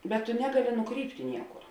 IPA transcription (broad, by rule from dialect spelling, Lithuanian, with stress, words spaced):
bʲɛt tʊ ˈnʲæːɡɐˌlʲɪ nʊˈkrʲiːpʲtʲɪ ˈnʲiɛkʊr